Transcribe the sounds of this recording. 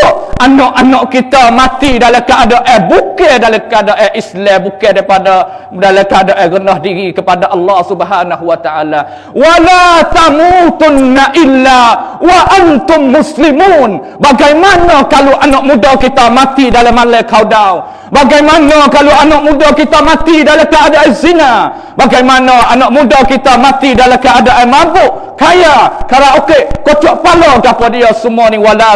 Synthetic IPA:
anɔʔanɔʔkit̪amat̪idalakəʔadaʔɛhbukɛdalakadaʔɛʔislɛbukɛdaipada | dalakəadaʔɛɣənɔhdiɾikəpadaʔɑlːɑhsubɦaːnaɦuwat̪aʔala | walat̪amut̪ʊnːaʔilːawaʔant̪ʊmːʊslimuːn | baɡajmanɔkaluʔanɔʔmudakit̪amat̪idalamalɛkawdaw | baɡajmanɔkaluanɔʔmudakit̪amat̪idalakəadaʔzina | baɡajmanɔanɔʔmudakit̪amat̪idalakəadaʔamabʊʔ | kajakaɾaokekot͡ʃuaʔpalɔɡapɔdiɔsumuaniwala

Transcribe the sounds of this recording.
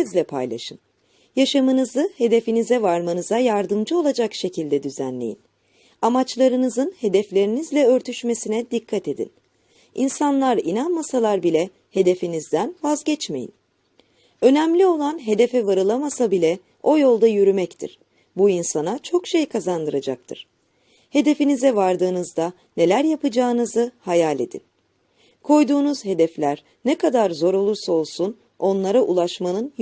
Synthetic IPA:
izlʲɛpʰa̰jlˠa̰ʃɯn | jaʃamɯnɯzɯhe̞d̪e̞finizɛvaɾmanɯzajaɾd̪ɯmd͡ʒɯo̞lˠad͡ʒakʃe̞cʰilʲd̪ɛd̪yzæ̰nlʲe̞̰jḭn | amat͡ʃlˠaɾɯnɯzɯnhe̞d̪ɛflʲe̞ɾinizlʲɛøɾt̪ʰyʃme̞sinɛd̪ikʰːat̪e̞d̪ḭn | insanlˠaɾinanmasalˠaɾbilʲɛ | he̞d̪e̞finizd̪ænvazɟɛt͡ʃme̞jḭn | ø̞nɛmlʲio̞lˠanɦe̞d̪e̞fɛvaɾɯlˠamasabilʲɛ | o̞jo̞lˠd̪ajyɾymɛct̪ʰḭɾ̥ | buinsanat͡ʃʰo̞kʃe̞jkʰazand̪ɯɾad͡ʒak̚t̪ʰɯ̰ɾ̥ | he̞d̪e̞finizɛvaɾd̪ɯːnɯzd̪a | ne̞lʲæɾjapɯd͡ʒaːɯnɯzɯhajalʲe̞d̪ḭn | kʰo̞jd̪uːnuz̥he̞d̪ɛflʲæɾ | nɛkʰad̪aɾzo̞ɾo̞lˠuɾsao̞lˠsun | o̞nlˠaɾaʔulˠaʃmanɯn

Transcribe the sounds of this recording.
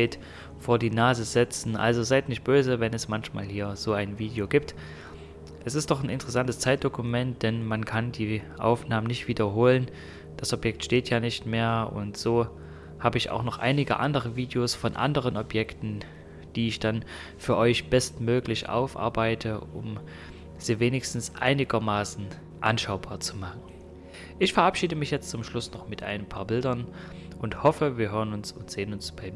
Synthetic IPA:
ɪt | foːɐdiːnaːzəzɛt͡sn̩ʔa̰lzozaɪtnɪçt̚b̥øːzəvɛnɛsmançma̰ːlhiːɐzoːaɪnviːdejoɡiːp̚t | ʔɛsɪstd̥ɔχnɪntəʁ̥ɛsantəst͡saɪt̚d̥okʊmɛnt̚d̥ɛnmankʰandiːʔa̰ʊfnaːmənɪçtv̥iːdɐɦoːlən | d̥asʔɔpjɛk̚tʃteːtʰjaːnɪçtmeːɐʊ̰ntz̥oː | haːbəɪça̰ʊxnɔχʔa̰ɪnɪɡə̰ʔa̰ndəʁ̞əviːdejoːsfɔnʔa̰ndəʁ̞ənʔɔpjɛktn̩ | d̥iːɪçd̥an | fyːɐʔɔʏçb̥ɛstmøːklɪçʔa̰ʊfʔa̰ɐbaɪtʰəʔʊ̰m | z̥iːveːnɪçstn̩sʔa̰ɪnɪɡɐmaːsn̩ | ʔa̰nʃaʊbaːɐt͡sumaχn̩ | ʔɪçfɛɐʔapʃiːdəmɪçjɛt͡stt͡sʊmʃlʊsnɔχmɪtʔa̰ɪnəmpʰaːɐbɪldɐnʔʊnthɔfəviːɐɦøːʁənʊnsʊntz̥eːənʊnsb̥aɪm

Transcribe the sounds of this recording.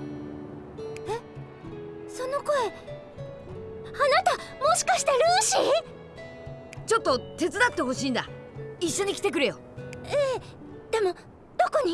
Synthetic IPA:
e | so̞no̞ko̞e̞ | anat̪amo̞ɕi̥kaɕi̥t̪e̞ɾɯːɕi | t͡ɕo̞t̪ːo̞t̪e̞t͡sɨd̪at̪ːe̞ɦo̞ɕiːnd̪aiɕːo̞ɲ̟ikʲi̥t̪e̞k̬ɯ̟ɾɯjo̞ | eː | d̪̥e̞mo̞ | d̪̥o̞ko̞ɲ̟i

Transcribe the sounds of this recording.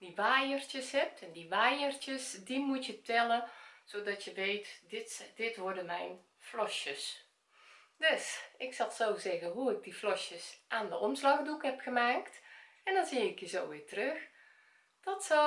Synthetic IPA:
diʋaːjərtjəshɛp̚tɛndiʋaːjərtəsdimutjətɛlˠəsodɔtjəʋeːtd̥ɪtʋʊrdəmɛjn | flɔʃjəs | døsɪksɔlˠsoːzɛɣəɦuɪɡ̚diflɔʃjəsʔaːndəʔɔmslɑxdukhɛpxəmaːkt | ɛndɔnziɪkjəzoːʋɪːtərøx | d̥ɔtsɔ

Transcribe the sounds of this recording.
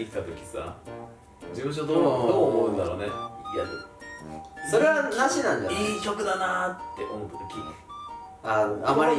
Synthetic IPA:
ikʲi̥t̪at̪o̞kʲi̥sa̰ | d͡ʑimɯ̟̃ɕ̬od̪oːd̪oːmoɯ̟̃nd̪aɾoːneja | so̞ɾe̞βanh̪aɕinãɲd͡ʑaiːɕʲo̞kɯ̟d̪anat̪ːe̞̰ʔo̞mo̞t̪ːḁt̪okʲi | anoamaɾʲi

